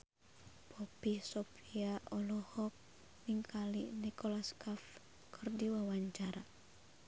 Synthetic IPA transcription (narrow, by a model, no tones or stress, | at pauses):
pʰɔpisɔpiaʔɔlɔhɔk̚ | niŋkʰalinikɔlaskaf | kʰɨrdiwawaɲt͡ʃaɾa